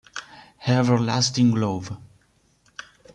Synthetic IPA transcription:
hɛvə˞lastɪ̃ŋɡlov

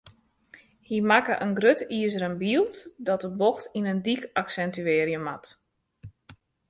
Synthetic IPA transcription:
himakəʔənɡrøtiəzəɾənbiəlˠtdɔt̚əboxtinəndikaksɛntyeːɾiəmat

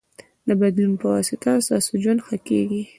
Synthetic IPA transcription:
d̪əbad̪lunpəwɑsɪt̪asɑsod͡ʒwand̪xakḛɡi

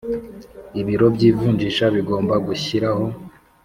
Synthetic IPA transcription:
iβiɾo̞bɟiːvuːɲd͡ʒiʃaβiɡo̞ːmbaɡuçiɾaho̞

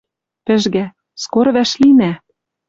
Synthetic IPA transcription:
pɘ̆ʒɣæ | skoɾβæʃlinæ

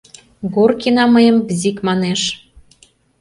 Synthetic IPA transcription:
ɡurkinɑməjəmbzʲikmɑneʃ

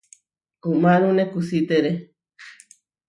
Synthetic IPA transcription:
kumaɾunẽkusit̪eɾe

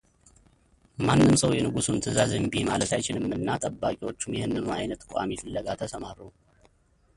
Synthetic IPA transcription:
manːɨmsəwjɛnɨɡusunt̪ʰɨzazəmbimalət̪ʰajt͡ʃɪnɨmːɨnːat̪ʼəbːakʼiwo̞t͡ʃːumjɛhɨnːɨnuajnət̪kʷʼa̰mifɨlːəɡat̪ʰəsəmaɾuw

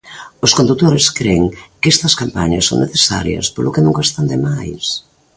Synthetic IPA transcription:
ʊskond̪ut̪oɾɪskɾeŋkest̪ɐskampaɲɐsːo̰wŋneθesa̰ɾjɐ̰spolʊkɪnuŋɡast̪ɐnd̪ɪmajs

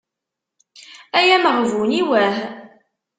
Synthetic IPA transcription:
æjæməʁvuniwæh

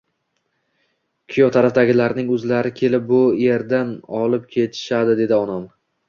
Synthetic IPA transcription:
kʲʰʊjɒt̪ʰaɾafd̪aɡʲɪlaɾnɪŋɵzlaɾɪkʲʰe̞lɪp̚bʊeɾd̪anɒlɪp̚kʲʰe̞t̪ʰɪ̥ʃad̪ɪd̪e̞d̪ɪɒnɒm

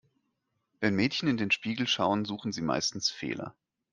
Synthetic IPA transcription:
vɛnmɛːtçn̩ɪndeːnʃpiːɡl̩ʃaʊənzuːxn̩ziːma̰ɪstn̩sfḛːlʔɐ̰

